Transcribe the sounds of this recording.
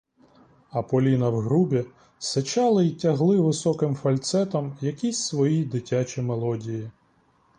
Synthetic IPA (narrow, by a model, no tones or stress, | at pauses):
ɐpɔlʲinɐwɦɾubʲi | set͡ʃɑlˠɐitʲɐɦlˠɪʋɪsɔkɪmfɐlʲt̪sɛt̪ɐmjɐkʲisʲsʋɔjid̪ɪtʲat͡ʃʲimelˠɔdʲiji